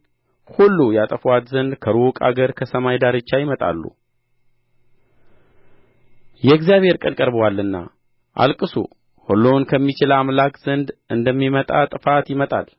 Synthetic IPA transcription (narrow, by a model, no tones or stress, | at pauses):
hulːujat̪ʼəfwat̪zənd̪kʰəɾukʼa̰ɡəɾkʰəsəmajd̪aɾɨt͡ʃːajɪmət̪ʼa̰lːṵ | jɛɡzjaβhe̞ɾkʼənkʼəɾbəwalːɨnːa̰ | ʔa̰lkʼɨsṵ | holːonkʰəmːit͡ʃɪlamlakʼz̥ɨnd̪ɨnd̪əmːimət̪ʼat̪ʼɨfat̪jɪmət̪ʼa̰l